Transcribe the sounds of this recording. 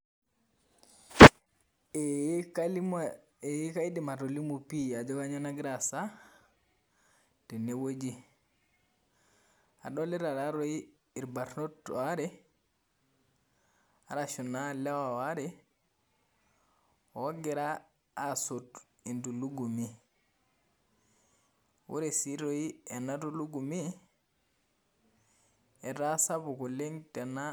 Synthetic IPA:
jikajiɗimatolimupiad͡ʒɔɡaɲanaɡɾasa | tɛnɛwod͡ʒi | a̰ɗɔlɛɾaɾaɾɔi | iɾbaɾnotwaɾɛ | aɾaʃunalɛwawaɾɛ | ɔwaɡɛɾaː | sot | induluɡumi | wṵɾɛsiɾojɛnaduluɡumi | ɛɾasabukɔleŋtɛna

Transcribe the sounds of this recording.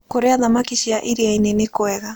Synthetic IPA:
koɾeaðamakisiaʔiɾiajnenekoeɣa

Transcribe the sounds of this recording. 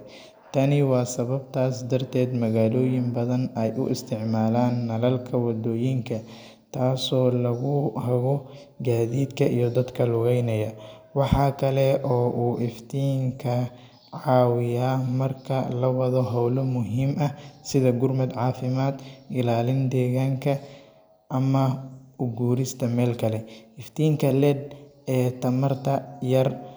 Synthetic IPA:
t̪ʰɐnɪwɑːsɐβɐbt̪ʰaːsd̪ɐrt̪ʰɛːd̪mɐɣaːlɔːjɪmbɐðɐnɛjʔʊ̰ʔɪ̰st̪ʰɪʕmaːlaːnːɐlɐlkʰɐwɐd̪ɔːjɪŋkʰɐ | t̪ʰaːsɔːlɐɣʊhɐɣɔ | ɡaːðiːd̪kʰɐʔijɞd̪ɐd̪kʰɐlʊɣɛjnɐjɐwɑħɑːkʰɐlɛʔɔːʔuːʔɪft̪ʰiːŋkʰɐ | ʕɑːwɪjaːmɐrkʰɐlɐwɐðɔɦɔwlɔmʊɦiːmʔɐsɪðɐɡʊrmɐd̪ʕɑːfɪmaːd̪ʔɪlaːlɪnd̪ɛːɣaːŋkʰɐ | ʔɐmɐʊɡuːɾɪst̪ʰɐmɛːlkʰɐlɛɪft̪ʰiːŋkʰɐlɛːd̪̚ | ɛːt̪ʰɐmɐrt̪ʰɐjɐr

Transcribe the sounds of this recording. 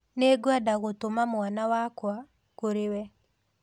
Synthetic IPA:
neɡwadaɣotomamwanawakwa | koɾewɛ

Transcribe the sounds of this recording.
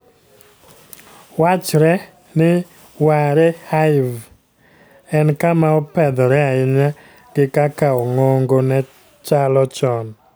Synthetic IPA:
wat͡ʃɾɛ | nɪ | waɾɛhaɪv | ɛnkamaɔpɛd̪ɔɾɛaɪɲa | ɡ̥ɪkakaɔŋoŋɡonɛ | t͡ʃalɔt͡ʃɔn

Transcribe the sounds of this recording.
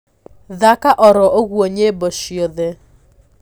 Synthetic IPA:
ðakaʔɔɾɔʔoɣwoɲeboʃioðe

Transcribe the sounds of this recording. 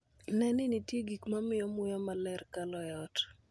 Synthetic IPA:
nɛnɪnitjeɡikmamɪjɔmʊjɔmalɛrkalɔjɛɔt

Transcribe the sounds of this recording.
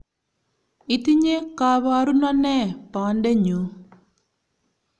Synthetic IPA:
it̪iɲekaːβaːɾunɔnːepaːɳɖeɲːu

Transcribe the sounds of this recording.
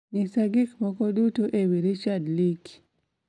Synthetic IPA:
nɪsaɡɪkmɔkɔdutoʔewiɾit͡ʃadlik

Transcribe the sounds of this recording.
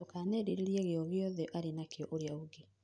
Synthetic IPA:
okaːnɛɾeɾeɾieɣeɔɣjɔðɛʔaɾenakeɔʔoɾeauɡe

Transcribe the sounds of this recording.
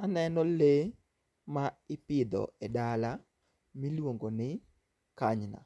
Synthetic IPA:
anɛnɔle | maɪpɪd̪ɔ̰ɛdala | milwoŋɡonɪ | kaɲna̰

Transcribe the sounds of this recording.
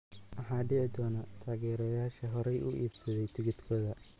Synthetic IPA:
ʔɐħɑːɖɪʕɪd̪ɔːnɐt̪ʰaːɣɛːɾɔːjaːʃɐɦɔɾɛjʔʊ̰ʔḭːbsɐðɛjt̪ʰɪɣɪd̪kʰɔːðɐ

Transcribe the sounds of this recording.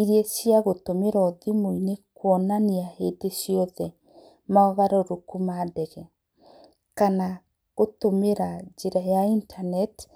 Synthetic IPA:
iɾesiaɣotomeɾɔðimoinekwɔnaniahedesjɔðɛ | maɔɣaɾoɾokumaːdɛɣɛ | kana | ɣotomeɾad͡ʒeɾajaintʰanɛt

